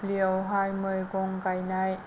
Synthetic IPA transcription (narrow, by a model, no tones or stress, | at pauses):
pliəwɦajmɯjkoŋkajnaj